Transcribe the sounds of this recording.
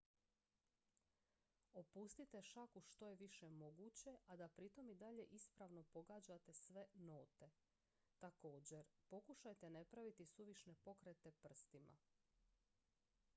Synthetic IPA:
opust̪it̪e̞ʃakuʃt̪o̞je̞ʋiʃemo̞ɡut͡ɕe̞ad̪apɾit̪o̞mid̪aʎe̞ʔispɾaʋno̞po̞ɡaːd͡ʑat̪e̞sʋe̞noːt̪e̞ | t̪ako̞ːd͡ʑe̞ɾpo̞kuʃajt̪e̞nepɾaʋit̪isuʋiʃne̞po̞kɾet̪e̞pr̩st̪ima̰

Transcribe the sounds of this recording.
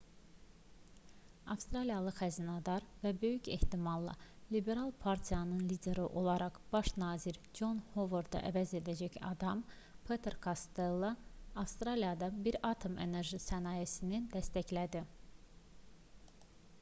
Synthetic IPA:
ɑfst̪ɾɑlijɑlˠɯxæzinɑd̪ɑɾvæbø̞jyce̞̰ht̪imɑlˠːɑ̰libe̞ɾɑlˠpʰɑɾt̪ʰijɑnɯnlid̪e̞ɾiʔo̞lˠɑɾʔɑχb̥ɑʃnɑːziɾd͡ʒo̞nhovoɾd̪ɑ̰ʔævæze̞d̪æd͡ʒæçɑ̰d̪ɑm | pʰet̪ʰeɾkʰɑst̪elˠːɑɑfst̪ɾɑlijɑd̪ɑbiɾɑt̪ʰo̞me̞ne̞ɾʒisænɑːjesinid̪æst̪æclæd̪i

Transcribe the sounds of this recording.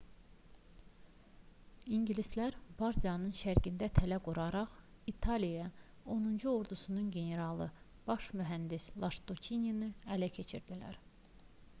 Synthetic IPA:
iɲɟilist̪læɾbɑɾt̪ijɑnɯnʃæɾɟind̪æt̪ʰælæɡuɾɑɾɑχit̪ʰɑlijɑ | o̞nund͡ʒuo̞ɾd̪usununɟe̞ne̞ɾɑlˠɯ̰ | b̥ɑʃmyɦænd̪islˠɑʃt̪ut͡ʃʰininɯælæcʰe̞t͡ʃʰḭɾd̪ilæ̰ɾ

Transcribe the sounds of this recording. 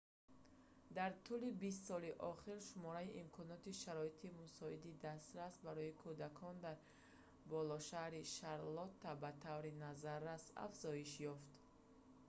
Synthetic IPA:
d̪aɾt̪ʰulibis̬t̪sɔliʔɔχiɾʃumɔɾaiʔimkʰɔnɔt̪iʃaɾɔit̪ʰimusɔid̪id̪ast̪ɾasbaɾɔikʰud̪akʰɔnd̪aɾ | bɔlɔʃahɾiʃaɾlɔt̪ːabat̪ʰavɾinazaɾːasa̰fz̥ɔiʃjɔft̪

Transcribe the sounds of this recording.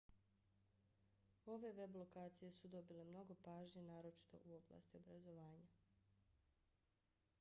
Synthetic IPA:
o̞ʋe̞ʋe̞blˠo̞kaːt̪sije̞sud̪o̞bile̞mno̞ɡo̞paːʒɲenaːɾo̞t͡ʃi̥t̪o̞̰ʔuo̞bla̰ːst̪io̞bɾazo̞ʋaːɲa

